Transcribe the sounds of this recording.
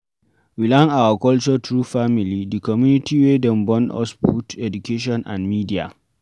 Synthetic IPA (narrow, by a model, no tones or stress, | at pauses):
wilãŋawakɔlt͡ʃɔtɾufamilidikɔmjunitʰiwedɛ̃nbɔ̃nɔ̰sbutʰɛdukeʃ̬ɔ̃nʔã̰nmidia̰